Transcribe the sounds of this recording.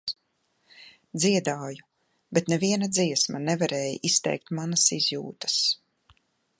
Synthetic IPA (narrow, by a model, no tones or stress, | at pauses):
d̪ziɛd̪aːju | bɛt̪nɛviɛnad̪ziɛsmanɛvaɾɛːjist̪ɛ̰jk̚t̪manasizjṵːt̪ə̥s